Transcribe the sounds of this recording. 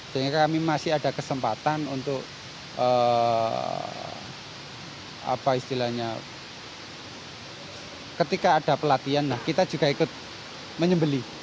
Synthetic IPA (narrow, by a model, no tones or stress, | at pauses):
səɦiŋɡakamimasɪad̥a̤kəsəmpat̪anunt̪ʊk | ə | a̰paist̪ilahɲa | kət̪ikaːd̥a̤pəlat̪ianlahkit̪ḁd͡ʒ̥uɡ̥aikʊt̪̚ | məɲəmbəli